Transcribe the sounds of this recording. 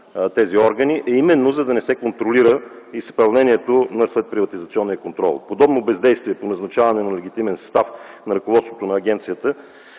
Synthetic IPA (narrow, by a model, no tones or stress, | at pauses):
t̪ɛziɔɾɡəniʔɛimɛnːozɐd̪ɐnɛsɛkont̪ɾoliɾə | ispɐlˠnɛniɛt̪onɐslɛt̪̚pɾivɐt̪izɐt̪siɔnːijəkont̪ɾɔ̰lˠpod̪ɔbnobɛzd̪ɛjst̪viɛponɐznɐt͡ʃavɐnɛnɐlɛɡ̟it̪imɛnsst̪afnɐɾəkovɔt̪st̪vo̥t̪onɐːɡ̟ɛnt̪sijət̪ə